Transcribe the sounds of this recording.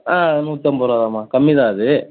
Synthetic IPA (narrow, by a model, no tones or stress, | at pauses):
aːnuːt̪ːɐmbɔɾaðãːmaːkɐmːiðaːɐðɯ